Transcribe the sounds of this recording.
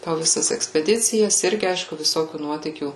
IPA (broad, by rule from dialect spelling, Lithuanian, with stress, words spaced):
poː ʋʲɪˈsɐs ɛksʲpʲɛˈdʲɪt͡sʲɪjɛs ˈɪrʲɡʲɪ ˈɐɪʃkʊ ʋʲɪˈsoːkʲuː ˈnuɔtʲiːkʲuː